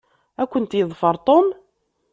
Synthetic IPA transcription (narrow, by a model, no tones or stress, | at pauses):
ækʷːənt̪jəðˤfəɾˤt̪ˤom